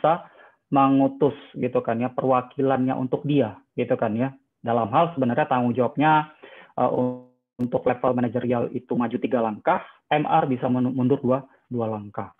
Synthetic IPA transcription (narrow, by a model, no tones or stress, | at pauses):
sa | məŋut̪ʊsɡit̪ukanjapərwakilanɲa̰ʔṵnt̪ʊk̚diaɡit̪ukanja | dalamɦalsəbənərɲat̪aŋud͡ʒawap̚ɲaʔə̰ṵ | nt̪ʊklɛfalmanad͡ʒərialḭt̪umad͡ʒut̪iɡalaŋkah | ɛmʔɛrbisammundʊrdua | dualaŋkah